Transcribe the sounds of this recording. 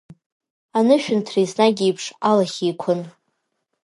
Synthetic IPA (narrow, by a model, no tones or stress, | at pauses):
anɨʃᶣʊntʰrijsnaɡʲiipʰʂalaχʲijkʷʰʊn